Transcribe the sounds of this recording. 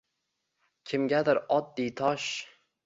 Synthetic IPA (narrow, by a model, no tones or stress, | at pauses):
kʲʰɪmɡʲad̪ɪɾɒd̪̚d̪ijt̪ʰɒʃ